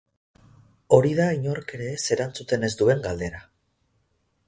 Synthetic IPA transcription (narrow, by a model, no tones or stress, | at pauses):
o̞ɾið̞aiɲo̞ɾke̞ɾe̞se̞ɾant͡sut̪e̞ne̞zd̪ue̞ŋɡald̪e̞ɾa